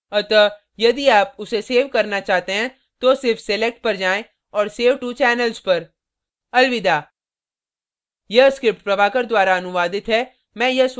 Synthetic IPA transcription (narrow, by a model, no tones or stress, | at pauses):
ɐt̪ə | jɐd̪iaːpʊseseːʋkɐɾnat͡ʃaːɦt̪eɦɛ̃ | t̪oːsɪɾfselɛk̚ʈ̚pɐɾd͡ʒaːẽ | ɔːɾseːʋʈut͡ʃɛːnəlzpɐɾ | ɐlʋɪd̪aː | jɐskɾɪpʈpɾɐʋaːkəɾd̪waːɾaɐnʊʋaːd̪ɪt̪ɦɛː | mɛ̃ːjɐs